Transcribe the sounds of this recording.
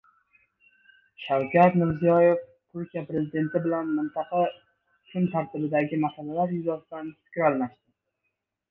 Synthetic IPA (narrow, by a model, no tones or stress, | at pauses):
ʃawkʲʰat̪mɪɾzijɒje̞ft̪ʰʊɾkʲijapɾe̞zɪd̪e̞nt̪ʰɪbɪlanmɪnt̪ʰɑqʰɑ | t͡ʃʰʊmt̪ʰaɾt̪ʰɪbɪd̪aɡʲɪmasalalaɾjʊzasd̪anfɪ̥kʲɾalˠmaʃt̪ɪ